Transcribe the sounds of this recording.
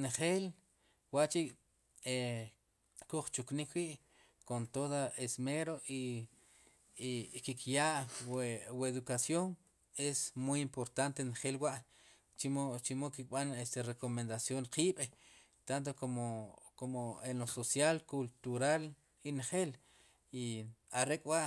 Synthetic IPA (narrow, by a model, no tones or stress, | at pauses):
nχeːl | waʔt͡ʃi | e | kuχt͡ʃuknikwiʔ | kont̪oðaesmeɾoʔi | kikʰjaʔ | weðukasjoŋ | esmujimpoɾt̪ant̪enχelwaʔ | t͡ʃimot͡ʃimokik̚ɓanest̪erekomend̪asjoɴqiːɓ | t̪ant̪̬okomokomoenososjalkult̪uɾal | inχel | iaɾekʼwaʔ